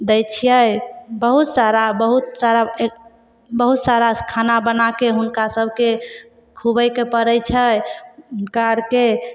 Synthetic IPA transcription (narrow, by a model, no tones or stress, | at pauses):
d̪əjt͡ʃʰijəjbəɦut̪saɾabəɦut̪saɾa | bəɦut̪saɾakʰanabənakeɦunkasəbʱke | kʰubəjkepəɾəjt͡ʃʰəjnkaɾke